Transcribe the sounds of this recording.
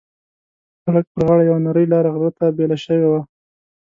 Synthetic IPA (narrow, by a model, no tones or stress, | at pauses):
xaɽək̚pəɾɣɑɽajawanaɾəjlɑɾaɣɾət̪abelaʃəwewa